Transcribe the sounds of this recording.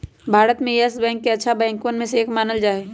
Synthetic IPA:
bʱaːɾət̪mẽɛsbɛ̃ːŋkːeɐtːʃʰabɛ̃ːŋkonmẽseːkʰmaːnəld͡ʒaːe

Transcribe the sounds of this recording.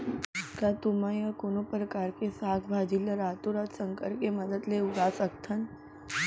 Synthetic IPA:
kat̪umajakonopɾəkaɾkesaːkʰbʱad͡ʒiləɾat̪uɾat̪səŋkəɾkeməd̪əd̪leuɾasək̚t̪ʰən

